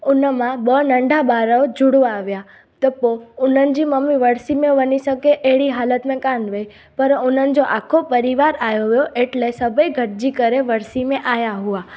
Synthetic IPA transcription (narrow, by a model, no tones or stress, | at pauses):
unəmãbənəɳɖʱabaɾəʋd͡ʒuɽʋaːʋja | t̪əpounənd͡ʒiməmiʋəɾsimẽʋənisəkeʔeɭiɦalət̪mẽkanʋəj | pəɾunənd͡ʒoʔakʰːopəɾiʋaɾajoɦjoʔeʈlesəbəjɡʱəʈd͡ʒikəɾeʋəɾsimẽʔajaɦua